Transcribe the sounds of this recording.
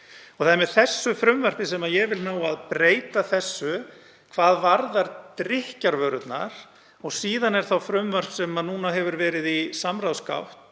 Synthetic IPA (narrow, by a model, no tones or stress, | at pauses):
ɔɣθaðɛɾmɛðθɛsːʏfɾʏmvœr̥pɪsɛmajɛvɪlnaːwaðpɾeːjt̪aθɛsːʏ | kʰvaːðvaɾðaɾt̪ɾɪhcaɾvœːɾʏt̪na̰ɾ̥ | ɔɣsiːðanɛɾ̥θawfɾʏmvœr̥psɛmanuːnaɦɛvʏɾvɛːɾɪðisamɾawska̰wht̪